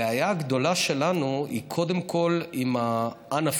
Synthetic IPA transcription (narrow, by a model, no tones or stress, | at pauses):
eajaɡd̪o̞laʃe̞lanuḭkʰo̞de̞mkʰo̞limaʔanaf